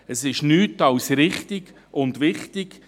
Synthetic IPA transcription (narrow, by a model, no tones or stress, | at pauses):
əsɪʃnyːtɑwsɾɪχtɪɡ | ʊndʋɪχtɪɡ̥